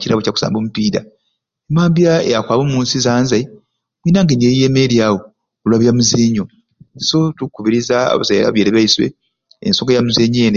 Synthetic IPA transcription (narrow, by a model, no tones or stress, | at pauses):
ciɾaβocaku̥sa̰ːmbomupiːda̰ | emaːmbjaḛjakwaːβomuːnsizaːnzai | βwiːnaŋɡeniejijemeɾiawo | olwaβjamuzeːɲo | so̞tukːuβiɾizaa̰βa̰zaja̰la̰βjeɾeβaiswḛ | ḛnsokejamuzeɲeːne